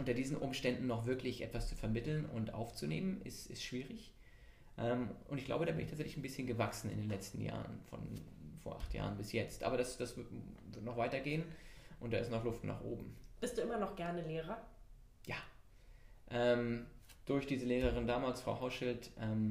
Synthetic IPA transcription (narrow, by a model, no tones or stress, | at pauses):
ʔʊntɐdiːzn̩ʔʊmʃtɛndn̩ːɔχv̥ɪɐklɪçʔɛ̰tv̥ast͡sufɛɐmɪtl̩nʊ̰ntʔa̰ʊft͡sunḛːmənʔɪ̰stɪ̰stʃv̥iːʁɪç | ʔɛːmʔʊntɪçɡ̥la̰ʊbəɾdaːbɪnɪçtʰaːt͡szɛçlɪçn̩bɪsçənɡəvaksn̩ɪ̰ndeːnlɛt͡stn̩ja̰ːʁə̰nfɔ̰nfo̰ɐʔa̰χtja̰ːʁənbɪsjɛt͡stʔa̰ːbɐɾasd̥asvɪtvɪɐtnɔχv̥aɪtɐɡeːənʔʊntd̥aːɪstnɔχlʊftna̰ːχʔo̰ːbm̩b̥ɪstd̥uːʔɪmɐnɔχɡ̥ɛɐnəleːʁɐ | jaː | ʔɛːmd̥ʊɐçd̥iːzəleːʁ̞əʁ̞ɪndaːmaːlsfʁ̥aʊɦaʊʃɪltʔɛːm